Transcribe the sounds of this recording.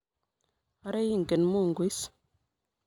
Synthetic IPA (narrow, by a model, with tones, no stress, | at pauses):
a˦ɾe˦ji˦˨ŋɡe˨nmu˦˨ŋɡwi˦s